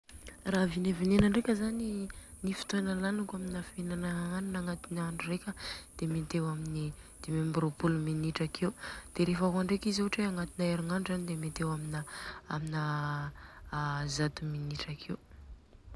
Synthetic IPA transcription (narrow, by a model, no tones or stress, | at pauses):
ravinevinenəɳɖ͡ʐekʲəzaninifi̥t̪enəlanakaminafenanaaninaŋat̪inaɳɖ͡ʐurekʲəd̪̥emet̪ewaminid̪̥emembɾopuluminiʈ͡ʂakʰewd̪̥eɾefaɦaɳɖ͡ʐekiziɦʈ͡ʂeaŋat̪inaeɾiŋaɳɖ͡ʐuzanid̪emet̪ewaminaamina | zat̪uminiʈ͡ʂakʰew